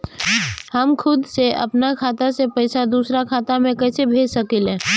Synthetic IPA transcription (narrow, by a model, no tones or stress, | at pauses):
həmkʰʊd̪seʔɐ̰pnakʰaːt̪asepəɪsad̪uːsɾakʰaːt̪amẽkɛːsebʱeːd͡ʒsəkɪlɦɛ̃ː